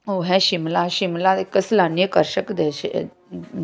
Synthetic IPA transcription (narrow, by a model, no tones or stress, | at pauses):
oɦɛ̃ɕimlaɕimlad̪ekəslanjəkəɾɕəkd̪ɛɕe